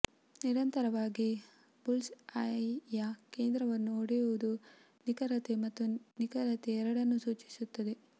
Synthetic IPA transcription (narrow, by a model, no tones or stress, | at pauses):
niɾɐnt̪ɐɾɐʋaːɡi | bulsɐjake̞ːnd̪ɾɐʋɐnːuoɽejuʋud̪u | nikɐɾɐt̪emɐt̪ːunikɐɾɐt̪eɛɾɐɽɐnːusuːt͡ʃi̥sut̪ːɐd̪e